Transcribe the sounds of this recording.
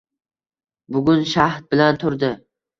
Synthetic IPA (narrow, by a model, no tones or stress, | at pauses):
bʊɡʲʊnʃaht̪̚bɪlant̪ʰʊɾd̪ɪ